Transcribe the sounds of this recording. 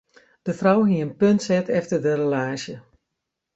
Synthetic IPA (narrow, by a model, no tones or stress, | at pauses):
d̥əfrawɦiəənpøntsɛtʰɛftərdərəlaːsjə